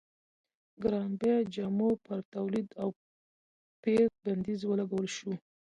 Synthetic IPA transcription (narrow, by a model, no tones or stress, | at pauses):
ɡɾɑnbjɑd͡ʒɑmopəɾt̪awlid̪aw | pek̚band̪izwəlaɡawəlʃu